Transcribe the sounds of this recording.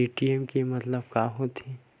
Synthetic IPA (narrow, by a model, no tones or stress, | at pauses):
iːʈiɛmkimɐt̪ləb̚kaːɦot̪ʰi